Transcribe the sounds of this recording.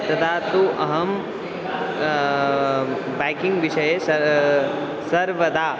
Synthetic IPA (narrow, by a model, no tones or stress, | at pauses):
t̪ɐt̪ʰaːt̪uʔɐɦɐm | bajkiŋɡʋiʂɐjesɐ | sɐɾʋɐd̪aː